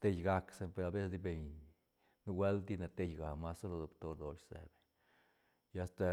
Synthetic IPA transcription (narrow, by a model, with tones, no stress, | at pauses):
t̪e˦jɡa˧kse˧pe˨ɾa˧be˦sd̪i˧be˨ɲ | nu˧we˦ld̪i˦ne˨t̪e˧jɡa˨ma˦so˦lo˧d̪o˧bt̪o˧d̪o˨ʃsḛ˨be˨ɲ | ja˧st̪a˧